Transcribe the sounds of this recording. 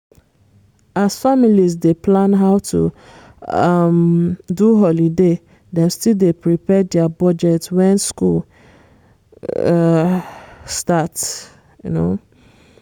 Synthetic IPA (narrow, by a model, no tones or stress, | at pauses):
azfamilizdeplãnɦaʊtʰṵ | ʌmduɦɔlide | dɛ̃mstildepɹipɛdɛabɔd͡ʒɛtwɛ̃nskul | stat | jṵno̰